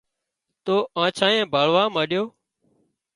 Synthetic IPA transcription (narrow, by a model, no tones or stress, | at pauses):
t̪oːʔãːt͡ʃʰãːẽːbʱaːlʋãːmãːɗjoː